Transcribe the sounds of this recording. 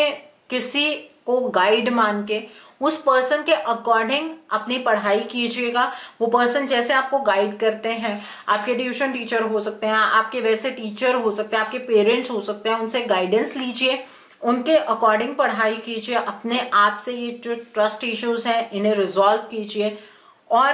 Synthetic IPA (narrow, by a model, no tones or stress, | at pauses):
e | kɪsikoɡaːɪɖmãːnkeʊspəɾsənkeʔɐkɔːɾɖɪ̃ŋɡɐpnipɐɽ̤aːikid͡ʒieɡaʋopəɾsənd͡ʒɛːseaːp̚koɡaːɪɖkɐɾt̪eɦɛ̃ː | a̰ːp̚keɖɪuʃənʈiːt͡ʃəɾɦosɐk̚t̪eɦɛ̃ʔa̰ːp̚keʋɛːseʈiːt͡ʃəɾɦosɐk̚t̪ẽɦɛ̃aːp̚kepeːɾə̃ɳʈsɦosɐk̚t̪eɦɛ̃ʊnseɡaːɪɖə̃nsliːd͡ʒieː | ʊnkeʔɐkɔːɾɖɪ̃ŋɡ̚pɐɽ̤ɦaːikid͡ʒieʔɐpneʔaːpsejed͡ʒoːʈɾɐsʈɪʃuːzɦɛ̃ʔɪnɦẽɾɪzɔːlʋkiːd͡ʒie | ɔːɾ